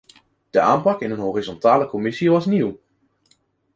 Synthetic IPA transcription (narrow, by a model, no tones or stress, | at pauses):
d̥əʔaːmpɑkɪnənɦoːrizɔntaːləkɔmɪsiʋɑsniw